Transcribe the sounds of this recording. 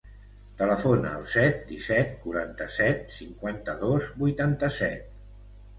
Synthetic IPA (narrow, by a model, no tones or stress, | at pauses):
t̪ələfonə̰ːlˠsɛt̪̚d̪isɛt̪̚kuɾant̪əsɛt̪̚siŋkwant̪əðozbujt̪ant̪əsɛt̪̚